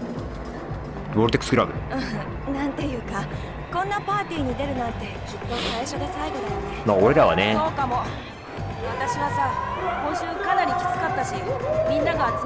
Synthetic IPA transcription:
boɾɯt̪ekɯ̥skɯɾabɯ̟ɯ̟̃ | nãnt̪e̞jɯ̟ːka | kõ̞nːapaːt̪ʲiːɲ̟id̪e̞ɾɯ̟nat̪ːe̞kʲit̪ːo̞saiɕo̞d̪e̞saiɡo̞d̪ad̪esnemaoɾeɾaβa̰neso̞ːkamo̞ | βat̪aɕiβasamõ̞ɰ̃ɕɨːkanaɾʲikʲi̥t͡sɨ̥kat̪ːaɕimʲĩnːaɡaːt͡s

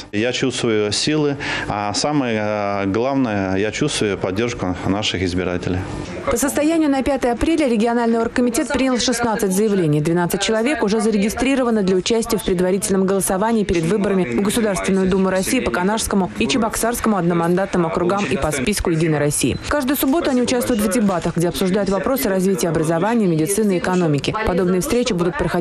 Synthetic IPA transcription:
jat͡ɕust̪vəjʊsʲilˠɨasaməjəɡlˠavnəjəjat͡ɕust̪vʊjʊpɐdʲːerʂkʊnaʂɨxɪzbʲɪɾa̰tʲɪlʲɪ̰j | pəsəst̪ɐjænʲɪjʊnɐpʲat̪əjəɐpɾʲelʲɪɾʲɪɡʲɪɐnalʲnɨjorkːəmʲɪtʲe̞t̪̚pɾʲinʲɪlˠʂɨsnat̪sɨtʲzəjɪvlʲenʲɪjd̪vʲɪnat̪sɨt̚ʲt͡ɕɪlˠɐvʲe̞kʊʐɛzəɾʲɪɡʲɪst̪ɾʲiɾəvənəd̪lʲəʊt͡ɕæsʲtʲɪjəfpɾʲɪd̪vɐɾʲitʲɪlʲnəmɡəlˠəsɐvanʲɪiːpʲɪɾʲɪd̪vɨbəɾəmʲɪvɡəsʊd̪arst̪vʲɪnːʊjʊd̪umːʊɾɐsʲijːpəkɐnaʂskəmʊit͡ɕɪbɐksarskəmʊɐd̪nəmɐnd̪at̪nəmɐkɾʊɡamipɐspʲiskʊjɪdʲinəjɾɐsʲːḭjɪ̰kaʐd̪ʊjʊsʊbo̞t̪ʊɐnʲiʊt͡ɕast̪vʊjʊt̪vdʲɪbat̪əxɡdʲeɐpsʊʐd̪ajʊt̪vɐpɾo̞sɨɾɐzvʲitʲɪjəɐbɾəzɐvanʲɪjəmʲɪdʲɪt̪sɨnɨːɪkɐno̞mʲɪkʲɪpɐd̪o̞bnɨjəfst̪ɾʲet͡ɕɪbud̪ʊt̪̚pɾəxɐ

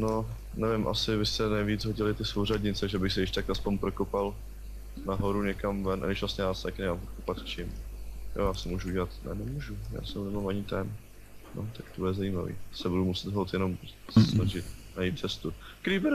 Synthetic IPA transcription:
no | nɛvɪmʔa̰sɪbɪst̪ɛnɛjviːd͡zɦoɟɪlɪt̪ɪsowradɲɪt͡sɛʒɛbɪxsɪjɪʃt̪akaspoɲpɾokopal | naɦoɾuɲɛkamvɛnʔa̰ɡɪʃvlasɲɛjast̪akɪɲɛmampɾokopat̪t͡ʃɪmjo̰jaːsɪmuːʒuɟɛlat̪nɛ̰nɛmuːʒuja̰sɛwnɛnomaɲɪt̪ɛm | no̰t̪akt̪obudɛzajiːmavḭːsɛbudumusɪd̪ɦolt̪jɛno̞mɛsɛsnaʒɪt̪̚najit̪̚t͡sɛst̪ukɾiːbɪɾ

